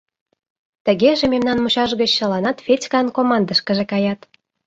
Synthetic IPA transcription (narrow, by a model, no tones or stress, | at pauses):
t̪ə̆ɣeʒememnɑnmuɕɑʒɣə̆t͡ɕːɤ̆lɑnɑt̪fʲet͡sʲkɑnkomɑnd̪əʃkə̆ʒĕkɑjɑt̪